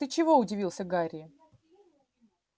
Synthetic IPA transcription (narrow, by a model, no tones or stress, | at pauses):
ət͡ɕɪvo̞ʊdʲɪvʲilˠsʲəɡaɾʲɪ